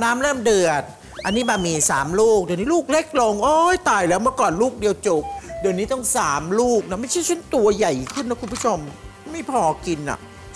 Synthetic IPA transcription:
naː˦˥mɾɤː˥˩mdɯ˨˩ət̚ | ʔa˧nːiː˦˥ba˨˩miː˧saː˩˦mluː˥˩k̚dɯ˧nːiː˦˥luː˥˩k̚le˦˥˩k̚lo˧ŋʔoː˧˩˥jt̪aː˨˩jlɛː˦˥wmɯ˥˩ɐkɔː˨˩nluː˥˩k̚di˧əwt͡ɕo˨˩p̚dɯ˧nːiː˦˥t̪ɔ˥˩ŋsaː˩˦mluː˥˩k̚na˦˥ma˥˩jt͡ɕʰa˥˩jt͡ɕʰu˦˥˨nt̪u˧ɐja˨˩jkʰɯ˥˩nːa˦˥kʰu˧npʰu˦˥˩t͡ɕʰo˧m˥˩ma˥˩jpʰɔː˧ki˧nʔa̰˨˩ʔ

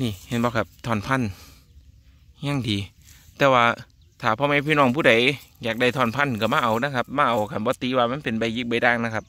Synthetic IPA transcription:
niː˧˩he˧˩nbɔː˧kʰa˧˩p̚t̪ʰɔː˧˩npʰa˧˥˨n | ɲa˧˩˨ŋdiː˨˦ | t̪ɛː˧˩waː˧˩ | t̪ʰaː˨˩pʰɔː˧ma˧˥˨pʰiː˧˨nɔː˧˩ŋpʰuː˧˩da˨˦jjaː˨˩k̚da˧˩jt̪ʰɔː˧˩npʰa˧˥˨nkɔː˧˩maː˧˨ʔa˨˩wna˧˥˨kʰa˧˥p̚maː˧˥˩ʔa˨wkʰa˧˩nbɔː˧˦t̪iː˨˧˦waː˧˩ma˧˥˨npe˨nba˧˩jɯ˧˥k̚ba˧˩jdaː˧˥˩ŋna˧˥kʰa˦˥p̚

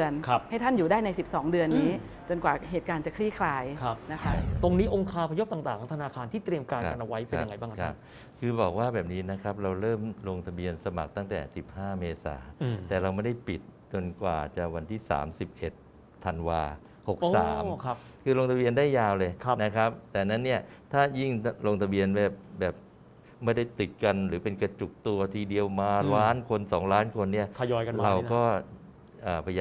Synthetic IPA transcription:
ənkʰha˥˩jt̪ʰa˥˩njuː˨˩daː˥˩jna˧jsi˨˩p̚sɔː˩˦ŋdɯ˧ənːiː˦˥ | t͡ɕo˧nkwaː˨˩ɦeː˨˩t̪̚kaː˧nt͡ɕa˨˩kʰɾi˥˩kʰlaː˧jʰa˦˥na˦˥kʰa˦˥t̪o˧ŋniː˦˥ʔo˧ŋkʰaː˧pʰa˧jo˦˥p̚t̪a˨˩ŋt̪aː˨˩ŋt̪ʰa˧naː˧kʰaː˧nt̪ʰiː˥˩t̪ɾi˧əmkaː˧na˧nʔa˧wa˦˥jpe˧ja˧ŋa˧jbaː˥˩kaa˦˥p̚ | kʰɯː˧bɔː˨˩k̚waː˥˩bɛː˨˩p̚niː˦˥na˦˥kʰɾa˦˥p̚ɾa˧wɾɤː˥˩mɾo˧ŋt̪ʰa˧bi˧ənsa˧ma̰˨˩k̚t̪a˥˩ŋt̪ɛ̰ː˨˩si˨˩p̚haː˥˩meː˧sa̰ː˩˦˧t̪ɛː˨˩ɾa˧wma˥˩jda˥˩jpi˨˩t̪̚t͡ɕo˧nkwa̰ː˨˩t͡ɕaː˨˩kwa˧nt̪ʰiː˥˩sa̰ː˩˦msi˨˩p̚ʔe˨˩t̪ʰː | a˧nwaː˧ | ho˨˩k̚ssaː˩˦mʰ˦ | kʰɯː˧loː˧ŋt̪ʰa˧bi˧əndaː˥˩jːaː˧wlɤː˧jna˦˥kʰa˦˥p̚t̪ɛː˨˩na˦˥nːi˥˩ɐt̪ʰaː˥˩ji˥˩ŋloː˧ŋt̪ʰa˧bi˧ənbɛː˨˩p̚bɛː˨˩p̚ | ma˥˩jda˥˩jt̪i˨˩t̪̚ka˧nɾɯː˩˦pe˧nka˧t͡ɕu˨˩k̚t̪u˧ɐt̪ʰiː˧di˧əwmaː˧laː˦˥nkʰo˧nsɔː˩˦ŋlaː˦˥nkʰo˧nːi˥˩ɐa˧jɔː˧jka˧ɾa˧wkɔː˥˩ | ʔəː˨˩pʰa˧j

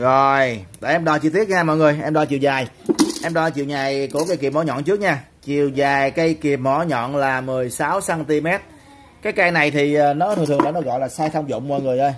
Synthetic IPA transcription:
zo˨˩jɗḛ˧˩ʔɛ˧mɗɔ˧˩t͡ɕɨ˧t̪ʰi˦˥t̚ɲaː˧mɔ̰˧˨jŋɨ˨˩əjʔɛ˧mɗɔ˧˩t͡ɕi˨˩əwzaː˨˩jʔɛ˧mɗɔ˧t͡ɕḭ˨əwɲaː˨˩jku˧˩əkaː˧˦jki˨˩p̚mɔ˨˦ɲɔ̰˧˨nt͡ɕɨ˦˥ək̚ɲaː˧ | t͡ɕi˨˩əwzaː˨˩jkaː˨˦jki˨˩əp̚mɔ˧˨˩ɲɔ̰˧˨nlaː˨˩mɨ˨˩əjsaː˨˦wsaː˧nt̪i˧mɛ˦˥t̚ | kaː˨˦jkaː˧jna˨˩jt̪ʰi˨˩ʔəː˨˩nɔ˨˦t̪ʰt̪ʰə˩ŋa˧˨˩nɔ˨˦ɣɔ̰˧˨jlaː˨˩saː˧jt̪ʰə˧wŋ͡mzʊ̰˧˨wŋ͡mmɔ̰˧˨jŋɨ˨˩əjʔə˧j

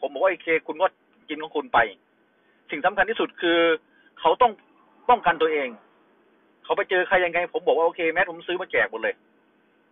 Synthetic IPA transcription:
pʰo˨˦mbɔː˨˩waː˧ʔoː˧kʰeː˧kʰu˧nɡɔː˧˥˩t̪̚ | ki˧nkʰɔ˧˥ŋkʰu˧npa˧j | si˨˩ŋsa˧˦mʰa˧nt̪ʰiː˧su˨˩t̪̚kʰɯː˧ | kʰa˨˩wt̪ɔ˥˩ŋ | t̪ɔ˥˩ŋka˧˨nt̪u˧ɐʔeː˧ŋ | kʰa˨˩wpa˧jt͡ɕɤː˧kʰa˧˩ja˧ŋːa˧jpʰo˨˦mbɔː˨˩k̚waː˧ʔoː˧kʰeː˧mɛː˧˦˥pʰo˨˦msɯː˦˥maː˧˩kɛː˨˩k̚bo˧˦nlɤː˧j

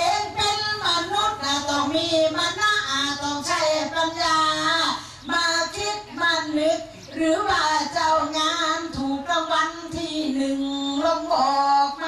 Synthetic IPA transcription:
e˨˧˥npe˧nma˧nu˦˥t̪̚naː˧˩t̪ɔː˨˩ŋmiː˧˥˩ma˧naː˧˥˩ʔaː˨˩t̪ɔː˨˩ŋt͡ɕʰa˧˩jpa˧njaː˧ | maː˧˩ki˦˧˥t̪̚maː˧˩nnɯ˦˥t̪̚ | ɾɯː˨˩˦waː˧˩t͡ɕa˧˩wŋaː˧˥˧nt̪ʰuː˨˩kla˧˩ŋwa˧˥˨nt̪ʰiː˧˩nɯ˨˩ŋlo˧ŋʔɔː˨˩k̚m˧

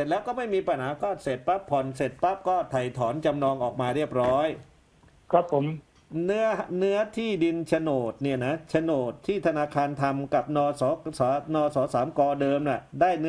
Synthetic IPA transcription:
se˨˩t̪̚lɛː˦˥wkɔː˥˩ma˥˩jmiː˧pa˧˩nɦaː˩˦kʰɔː˥˩t̪̚se˨˩t̪̚pa˦˥pʰːɔ˨˩nse˨˩t̪̚pa˦˥p̚kɔː˥˩t̪ʰa˨˩jt̪ʰɔː˩˦nt͡ɕa˧mnɔː˧ŋʔɔː˨˩k̚maː˧ɾi˥˩əp̚ɾɔː˦˥j | kʰɾa˦˥pʰːo˨˦m | nɯ˦˥ɐnɯ˦˥ɐt̪ʰiː˥˩di˧nt͡ɕʰa˧noː˨˩t̪̚ni˥˩ɐna˦˥t͡ɕʰa˧noː˨˩t̪ʰːiː˥˩t̪ʰa˧naː˧kʰaː˧nt̪ʰa˧mka˨˩p̚nɔː˧sɔː˩˦sɔː˩˦nɔː˧sɔː˩˦˥saː˩˦mkɔː˧dɤː˧mna˧˩daː˥˩jnɯ˦˥

